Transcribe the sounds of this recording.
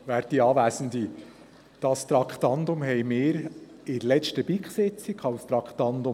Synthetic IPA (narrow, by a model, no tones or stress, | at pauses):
ʋæːɾd̥iɑːʋæːsənd̪i | d̥ɑst̪ɾɑkʰt̪ɑnd̪ʊmɦɛjmɪːɾ | ɪɾlɛt͡ʃtəb̥iːkset͡sikʰɑlst̪ɾɑkχt̪ɑnd̪ʊm